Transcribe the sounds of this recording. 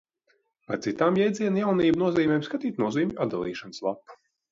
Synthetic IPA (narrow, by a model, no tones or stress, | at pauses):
paɾt̪sit̪aːmjɛjd̪zʲiɛnajawniːbnuɔziːmʲɛːmskat̪iːt̪nuɔziːmʲʔad̪alˠḭːʃanɨ̥slˠapːu̥